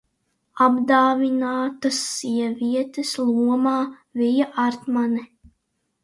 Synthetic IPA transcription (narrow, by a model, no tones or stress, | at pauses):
abd̪aːvinaːt̪ɐsːiɛviɛt̪eslˠuɔmaːvijaʔaɾt̪manɛ